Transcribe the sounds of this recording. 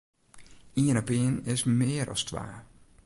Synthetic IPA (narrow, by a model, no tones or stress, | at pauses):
iːnabeːnɪsmeːɾɔ̰stʰʋa̰ː